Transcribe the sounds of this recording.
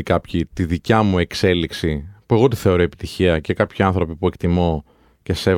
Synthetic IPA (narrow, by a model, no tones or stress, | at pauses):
kɐpçit̪iðicɐmue̞kse̞liksipue̞ɣo̞t̪iθe̞o̞ɾoepi̥t̪içiɐce̞kɐpçiɐnθɾo̞pipue̞kt̪imo̞ | ce̞se̞